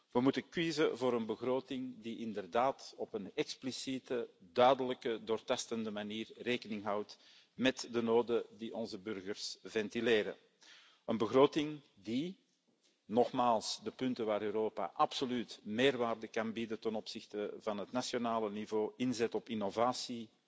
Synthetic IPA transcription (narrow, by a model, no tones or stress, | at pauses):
ʋəmutəkwizəvoːɾənbəɣroːtɪŋdiʔɪndərdaːtɔpənɛksplisitədœːɥdələkədoːrtɑstəndəmaniːrreːkənɪŋɦɑwt | mɛtdənoːdədiʔɔnzəbʏrɣərsvɛntileːɾə̰ | ənbəɣroːtɪŋ | di | nɔxmaːlˠsdəpʏntəʋaːɾøːɾoːpa̰ʔɑpsolytmeːrʋaːrdəkɑnbidətənɔpsɪxtəvɑnɦətnasjonaːlənivoːɪnzɛtɔpinovaːsi